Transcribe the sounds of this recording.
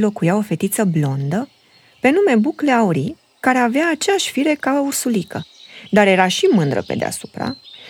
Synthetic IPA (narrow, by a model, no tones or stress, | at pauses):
lo̞kujao̞fe̞t̪it̪səblo̞nd̪ə | pe̞nume̞bukleauɾi | kaɾe̞aveaːt͡ʃeaʃʲfiɾe̞kaəursulikəd̪aɾje̞ɾaʃimɨnd̪ɾə̰pḛd̪ḛa̰su̥pɾa̰